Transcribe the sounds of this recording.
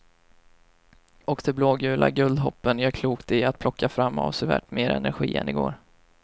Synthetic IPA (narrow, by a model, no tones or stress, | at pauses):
ɔkd̪ɛbloːɡʉ̟ːlʔa̰ɡɵld̪ɦɔpːənjœːɾkʰluːkt̪ɪat̪̚pʰlɔkʰːafɾamːa̰vsɛvæ̰ːʈːmeːɾɛnæɾɧḭːɛ̰nɪɡo̰ːɾ